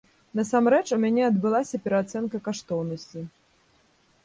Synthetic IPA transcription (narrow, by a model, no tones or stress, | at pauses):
nɐsamɾɛt͡ʂumʲanʲɛɐd̪bɨlˠasʲɐpʲɛɾɐat̪sɛnkɐkaʂt̪ɔwnɐsʲt͡sʲi